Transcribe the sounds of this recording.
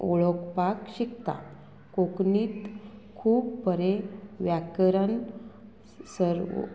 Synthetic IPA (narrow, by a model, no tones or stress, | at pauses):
ʔoɭokpakɕikt̪a̰ | kokniːt̪kʰuːbpəɾeʋjakɾən | səɾ̰